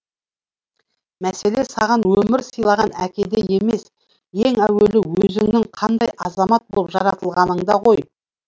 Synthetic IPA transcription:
mæse̞le̞sɑʁɑnwɵmɪɾsəjlˠɑʁɑnækʲe̞d̪e̞je̞me̞s | je̞ŋæwe̞lɪwɵzɪŋnɪŋqʰɑnd̪ɑjʔɑzɑmɑt̪̚bo̞̰lˠpʒɑɾɑt̪əlˠʁɑnəɴd̪ɑʁo̞j

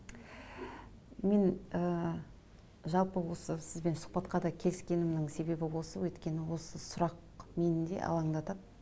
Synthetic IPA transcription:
me̞nə | ʒɑlˠpəwo̞səsɪzbe̞nsʊ̥q̚pɑt̪qɑd̪ɑkʲʰe̞lɪskʲe̞nɪmd̪ɪŋse̞be̞bɪwo̞səwɵt̪kʲe̞nɪwo̞səsʊɾɑq̚ | me̞nɪnd̪e̞̰ʔɑ̰lˠɑɴd̪ɑt̪ɑd̪

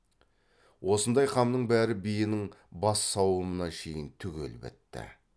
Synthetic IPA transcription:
wʔo̞sənd̪ɑjqʰɑmnəɴbæɾɪbijɪnɪŋbɑsːɑwəmənɑʃʰe̞jɪnt̪ʰʏɡʲḛlɪbɪ̰t̪ːɪ̰

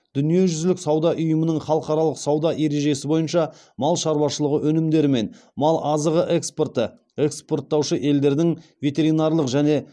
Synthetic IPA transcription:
d̪̥ʏnije̞ʒʏzlɪksɑwd̪ɑʔʊjəmənəɴχɑlˠəqɑɾɑlˠəqsɑwd̪ɑʔe̞ɾe̞ʒe̞sɪbo̞jənʃɑ | mɑlˠʃɑɾbɑʃəlˠəʁəʔɵnɪmd̪e̞ɾɪme̞nmɑlˠɑzəʁəʔekspo̞rt̪ə | e̞kspo̞rt̪ːɑwʃəʔe̞ld̪e̞ɾd̪ɪŋvʲe̞t̪e̞ɾijnɑɾlˠəqʒæne̞

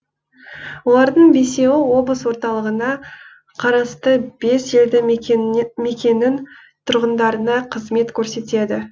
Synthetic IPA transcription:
wo̞lˠɑɾd̪əɴbe̞se̞wɪwo̞blˠəswo̞ɾt̪ɑlˠəʁənɑ | qʰɑɾɑst̪əbe̞se̞ld̪ɪ | me̞kʲe̞nːɪn | t̪ʰʊɾʁənd̪ɑɾənɑqʰəzme̞t̪kʲʰɵɾse̞t̪e̞d̪ɪ

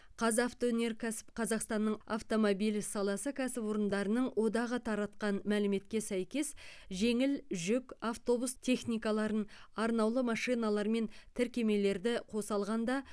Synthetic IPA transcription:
qʰɑzaft̪one̞ɾkʲʰæsɪ̥pqʰɑzɑqst̪ɑnːəɴa̰ft̪o̞mo̞bijlisɑlˠɑsəkʲʰæsɪpwo̞ɾənd̪ɑɾənəɴwʔo̞d̪ɑʁət̪ʰɑɾɑt̪qɑnmælɪme̞t̪̚kʲe̞sæjkʲe̞sʒe̞ŋɪlʒʏkʲaft̪o̞bust̪ʰe̞χnijkɑlˠɑɾənɑɾnɑwlˠəmɑʂijnɑlˠɑɾme̞nt̪ʰɪɾkʲe̞me̞le̞ɾd̪ɪqʰo̞sɑlˠʁɑnd̪ɑ

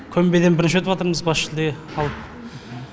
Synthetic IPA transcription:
kʲʰɵmbe̞d̪e̞nbɪɾɪnʃwɵt̪ɪpwɑt̪əɾməzbɑsʃɪld̪eɑlˠəp̚

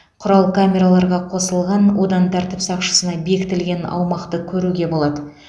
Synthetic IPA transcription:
qʰʊɾɑlˠkʰamʲe̞ɾalˠɑɾʁɑqʰo̞səlˠʁɑnwo̞d̪ɑnt̪ʰæɾt̪ɪpsɑqʃə̥sənɑbe̞kʲɪt̪ɪlɡʲe̞nɑ̰wmɑqt̪əkʲʰɵɾuɡʲe̞bo̞lˠɑd̪ə

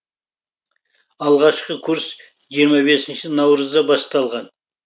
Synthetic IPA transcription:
ɑlˠʁɑʃqəkʲʰuɾs | ʒijəɾmɑbe̞sɪnʃɪnɑwɾəzd̪ɑbɑst̪ɑlˠʁɑn

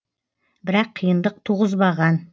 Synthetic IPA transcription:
bɪɾɑqʰːijənd̪əq̚t̪ʰuʁəzbɑʁɑn

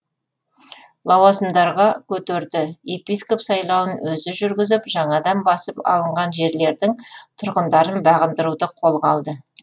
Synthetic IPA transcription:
lˠɑwɑsəmd̪ɑɾʁɑkʲʰɵt̪eɾd̪ɪe̞pijsko̞psɑjlˠɑwənwɵzɪʒʏɾɡʲɪzɪpʒɑɴɑd̪ɑnbɑsəpɑ̰lˠəɴʁɑnʒe̞ɾle̞ɾd̪ɪŋt̪ʰʊɾʁənd̪ɑɾənbɑʁənd̪əɾud̪əqʰo̞lˠʁɑlˠd̪ə

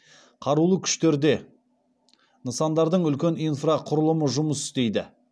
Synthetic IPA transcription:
qʰɑɾulˠəkʲʰʏ̥ʃt̪e̞ɾd̪e̞ | nəsɑnd̪ɑɾd̪əɴʏlkʲe̞nijnfrɑqʰʊɾəlˠəməʒʊməsʏɪ̥st̪e̞jd̪ɪ

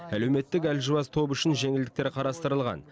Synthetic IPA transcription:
æle̞wme̞t̪ːɪkælʒʊwɑst̪ʰo̞pʏʃɪnʒe̞ŋɪld̪ɪk̚t̪eɾqʰɑɾɑst̪əɾəlˠʁɑ̰n

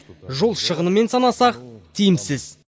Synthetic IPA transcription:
ʒo̞lˠʃəʁənəme̞nsɑnɑsɑqt̪ʰijɪmsɪz̥

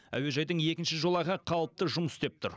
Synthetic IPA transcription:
æ̰we̞ʒɑjd̪əɴje̞kʲɪnʃɪʒo̞lˠɑʁəqʰɑlˠəp̚t̪əʒʊməsst̪ep̚t̪ʰʊɾ

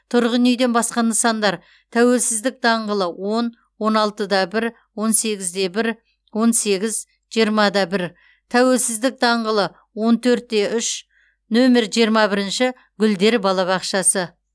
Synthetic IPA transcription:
t̪ʰʊɾʁənejd̪e̞nbɑsqɑnəsɑnd̪ɑɾ | t̪ʰæwe̞lsɪzd̪ɪk̚d̪ɑɴʁəlˠəwo̞n | wo̞nɑlˠt̪əd̪ɑbɪɾ | wo̞nse̞ɡʲɪzd̪e̞bɪɾ | wo̞nse̞ɡʲɪz | ʒ̥ijəɾmɑd̪ɑbɪɾ | t̪ʰæwe̞lsɪzd̪ɪk̚d̪ɑɴʁəlˠə | wo̞nt̪ʰɵɾt̪̚ːe̞ʔʏʃ | nome̞ɾʒijəɾmɑbɪɾɪnʃɪ | ɡʲʏld̪e̞ɾbɑlˠɑβɑqʃɑsə

